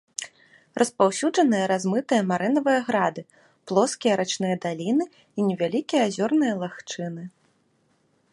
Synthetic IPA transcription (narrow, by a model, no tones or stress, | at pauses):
rʔɐspawsʲuʐɐnɨjɐɾazmɨt̪ɨjɐmaɾɨnɐvɨjɐɣɾad̪ɨ | plˠɔskʲijɐɾʔat͡ʂnɨjɐd̪alʲinɨ | inʲɛvʲalʲikʲijɐazʲɔrnɨjɐlˠaxt͡ʂɨnɨ